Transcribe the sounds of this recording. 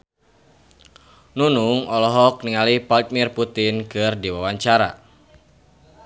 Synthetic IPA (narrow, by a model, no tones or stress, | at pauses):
nunuŋɔlɔɦɔk̚niŋalipald̪mirput̪inkɨrdiwawaɲt͡ʃaɾa̰